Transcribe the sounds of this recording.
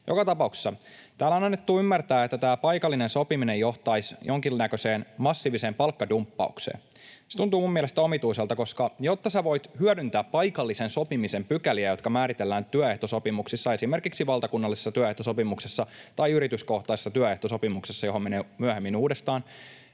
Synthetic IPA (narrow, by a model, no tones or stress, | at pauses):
jo̞̰kɑt̪ɑpɑukse̥sːɑ | t̪æːlːɑnɑnːet̪ːuːymːært̪æːet̪ːæt̪æːpɑjkɑlːinenso̞pimine̞jjo̞ht̪ɑjsjʔo̞ŋkilnækøse̞ːnmɑsːiːʋise̞ːmpɑlkːɑdumpːɑ̰uksḛːn | set̪unt̪uːmumːiɛlest̪æo̞mit̪uiselt̪ɑko̞skɑjot̪ːɑseʋo̞jt̪hyœdynt̪æːppɑjkɑlːisenso̞pimise̞mpykæliæjo̞t̪kɑmæːɾit̪e̞lːæːnt̪yœe̞ht̪oso̞pimuksisːɑe̞sime̞rkiksiʋɑlˠt̪ɑkunːɑlːisesːɑt̪yœeht̪oso̞pimuksesːɑt̪ɑiyɾit̪ysko̞ht̪ɑise̥sːɑt̪yæœeht̪oso̞pimuksesːɑjoomeneːmyæhemːinuːdest̪ɑːn